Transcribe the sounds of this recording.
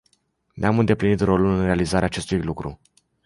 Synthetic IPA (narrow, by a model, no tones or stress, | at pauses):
neamɨnd̪e̞plinit̪ro̞lulɨnre̞alizaɾeaːt͡ʃe̞st̪ujlukɾu